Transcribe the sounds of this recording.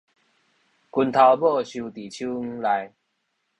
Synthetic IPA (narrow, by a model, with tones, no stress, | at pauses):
ku˧nt̪ʰa˧wbɔ˥˧ɕju˧t̪i˨˩t͡ɕʰu˦˧la˧j